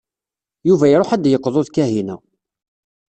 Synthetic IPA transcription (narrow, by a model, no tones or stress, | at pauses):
juvæjɾˤoħæd̪jəqːðˤoðkæɦinæ